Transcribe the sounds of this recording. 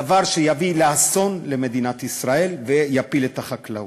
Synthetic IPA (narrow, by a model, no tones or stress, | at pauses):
avaʁʃejavileaso̞nle̞me̞d̪inat̪isʁae̞lvejapile̞t̪aχakla